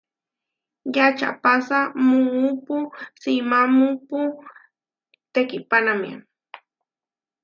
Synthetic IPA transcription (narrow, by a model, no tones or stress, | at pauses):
jat͡ʃa̰pasamʊŋupʊsimamupʊ | t̪ekɪpanamja̰